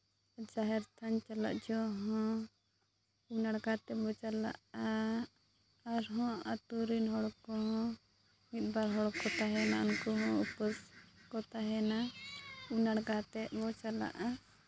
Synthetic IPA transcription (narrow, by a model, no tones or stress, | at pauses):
d͡ʒaɦɛɾt̪ʰant͡ʃala̰ʔ̚d͡ʒɔɦɔ̃ | unaɽɡat̪ɛbɔt͡ʃala̰ʔa | ɾɦɔ̃at̪uɾinɦɔɽkɔɦɔ̃ | ŋit̪̚ˀbaɾɦɔɽkɔt̪aɦɛnaunkuɦɔ̃upəskɔt̪aɦɛna | unaɽɡat̪ɛʔ̪̚bɔt͡ʃala̰ʔa